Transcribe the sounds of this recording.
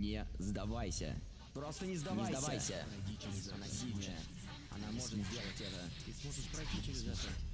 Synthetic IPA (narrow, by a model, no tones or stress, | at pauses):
nʲɪzd̪ɐvajsʲə̰ | pɾo̞st̪ənʲɪzd̪ɐnvɪazjd̪ɐvajsʲə̰adʲiɪɪzɛɐnasʲivʲnəjə̰ | ɐ̰namo̞ʂʐɨt̪zʲdʲelˠətʲɛt̪ət̪ɨsʲmoʐɨt̪pɾɐjtʲit͡ʃɪɾʲɪzɛt̪ə